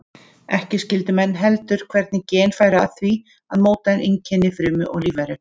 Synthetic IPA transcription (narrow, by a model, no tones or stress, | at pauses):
ɛhcɪscɪlt̪ʏmɛnːɦɛlt̪ʏɾ̥kʰvɛɾt̪nɪcɛːnfaːjɾaθvi | aðmoːwt̪aɪniɲcʰɛnːɪfɾʏːmʏʔɔ̰ɣliːvajɾʏ